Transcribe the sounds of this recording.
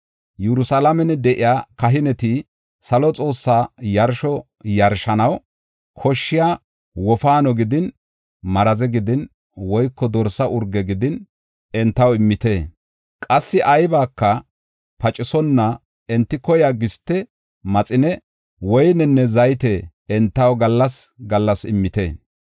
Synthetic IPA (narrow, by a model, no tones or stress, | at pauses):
jɛɾʊsalɐmɛnɛd̪ɛʔɪjaːkɐɦɪnɛt̪i | sɐlɔt͡sʼo̞ːsːaːjɐɾʃɔ | jɐɾʃɐnɐw | kʰɔʃːɪjaː | wɔfaːnɔɡɪd̪ɪn | mɐɾɐzɛɡɪd̪ɪn | wɔjkːɔd̪ɔɾsːɐʔʊɾɡɛɡɪd̪ɪn | ɛnt̪ːɐwɪmːɪt̪eː | kʼɐsːɪʔɐjbaːkːɐ | pɐt͡ʃʼːɪsɔnːɐ | ɛnt̪ːɪkɔjaɡɪst̪ːɛ | mɐt͡sʼɪnɛ | wɔjnɛnːɛzɐjt̪ɛ | ɛnt̪ːɐwɡɐlːɐsɡɐlːɐsɪmːɪt̪eː